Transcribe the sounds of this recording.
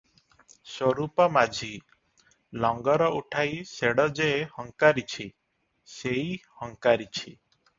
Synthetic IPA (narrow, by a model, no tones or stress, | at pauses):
swɔɾupɔmad͡ʒʱi | lɔŋɡɔɾɔʔuʈʰajseɽɔd͡ʒehɔŋkaɾit͡ʃʰi | sejhɔŋkaɾit͡ʃʰi